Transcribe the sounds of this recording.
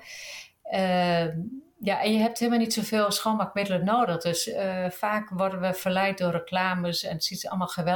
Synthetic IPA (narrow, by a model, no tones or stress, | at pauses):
jaʔɛnjəɦɛp̚thɪːəmalnitsofeːlˠsxoːmakmɪdələnoːdədøsfaːkʋɔrdənʋəfərlɛjt̚dʊərəklaːməsɛ̰ntsisɔ̰lˠmalˠxəʋɛ